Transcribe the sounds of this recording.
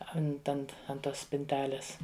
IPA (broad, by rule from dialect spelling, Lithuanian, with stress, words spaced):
ˈɐnt ˈɐnt ɐn ˈtoːs sʲpʲɪnʲˈtʲæːlʲeːs